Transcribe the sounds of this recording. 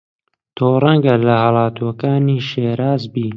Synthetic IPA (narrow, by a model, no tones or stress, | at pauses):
t̪ʰoːrˤɐŋɡɐlɐhɑlɑːt̪uɐkaːniːʃeːɾaːzbiː